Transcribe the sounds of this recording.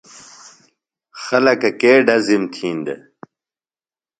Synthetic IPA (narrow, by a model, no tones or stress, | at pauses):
xɐlɐkɐkeːɖɐzimt̪ʰiːnd̪ḛ